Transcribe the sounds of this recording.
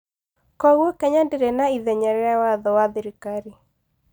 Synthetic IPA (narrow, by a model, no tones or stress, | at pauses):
kɔɣwɔkɛɲandeɾɛnaiðɛɲɛɾɛawaðɔwaðiɾikaɾi